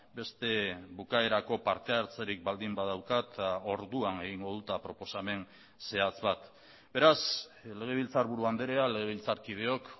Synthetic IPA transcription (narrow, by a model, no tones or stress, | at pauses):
be̞st̪e̞βukae̞ɾako̞paɾt̪e̞aɾt͡seɾik̚bald̪imbaðawkat̪o̞ɾðuane̞ɣ̞iŋɡo̞ð̞ut̪apɾo̞po̞same̞n | se̞at͡sβat̪ | be̞ɾasle̞ɣ̞e̞β̞ilt͡saɾβuɾuand̪eɾeale̞ɣ̞eβilt͡saɾkiðe̞o̞k